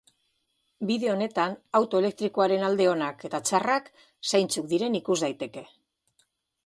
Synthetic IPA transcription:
biðe̞o̞ne̞t̪anawt̪o̞e̞le̞k̚t̪ɾiko̞aɾe̞nald̪e̞o̞nake̞t̪at͡ʃarak | sajnt͡suk̚d̪iɾe̞nikuzd̪ajt̪e̞ke̞

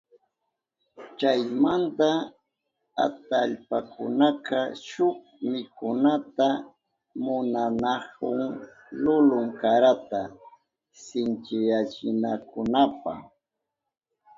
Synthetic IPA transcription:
t͡ʃajmant̪a | a̰t̪aʎpakʊnakaʃʊk | mɪkʊnat̪a | mʊnanahʊŋ | lʊlʊŋkaɾat̪a | sɪnt͡ʃɪjat͡ʃɪnakʊnapa̰

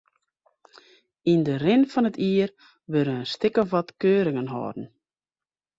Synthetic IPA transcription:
indərɪnfɑnətʰiːər | ʋøɾənəstɪkəʋɔtkøːɾɪŋənɦɔ̰ːdn̩

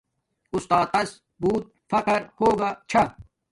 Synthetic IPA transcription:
ʊst̪aːt̪ɐs | buːt̪̚fɐqəɾhoːɡaːt͡ʃʰa

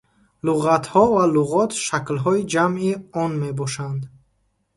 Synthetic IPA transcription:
luʁat̪hɔvaluʁɔt̪ʃaklɦɔid͡ʒamiɔnmebɔʃand̪

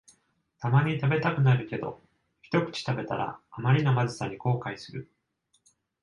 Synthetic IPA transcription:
t̪amaɲ̟it̪abe̞t̪akɯ̟naɾɯ̟ke̞d̪o̞̰ | çi̥t̪o̞kɯ̟̥t͡ɕi̥t̪abe̞t̪a̰ɾa̰ːmaɾʲinomazɨsaɲ̟iko̞ːkaisɨɾɯ̟

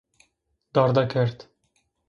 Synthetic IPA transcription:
d̪ɑːɾd̪ɛkʰɛɾt̪

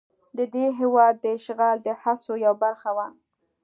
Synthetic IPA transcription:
d̪əd̪eɦewɑd̪ːəʃɣɑld̪əhasojawbaɾxawan

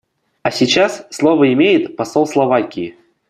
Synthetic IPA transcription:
asʲɪt͡ɕasslˠovəɪmʲejɪt̪pɐsolˠslˠɐvakʲɪɪ

